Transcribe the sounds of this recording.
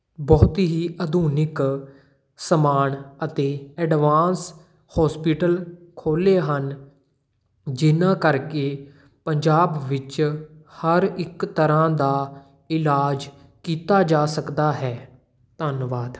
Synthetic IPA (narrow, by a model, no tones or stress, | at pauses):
bɔːt̪iɦiːʔəd̪ʱuːnɪk | səmaːɳət̪eːɛːɖʋaːns | hɔːspiːʈəlkʰoːleːɦən | d͡ʒɪnãːkəɾkeː | pəɲd͡ʒaːbʋɪt͡ʃhəɾɪkt̪əɾãːd̪aː | ɪlaːd͡ʒ | kiːt̪aːd͡ʒaːsəkd̪aːɦɛː | t̪ənʋaːd̪